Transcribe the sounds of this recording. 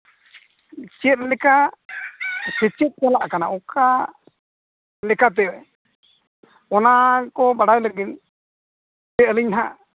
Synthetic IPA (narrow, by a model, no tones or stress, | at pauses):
t͡ʃɛt̪̚lɛka | sɛt͡ʃɛt̪̚kɔlaʔkanaʔɔka | lɛkat̪̬ɛwɛ | ɔnakɔbaɽawləɡin | ɛəliɲɦa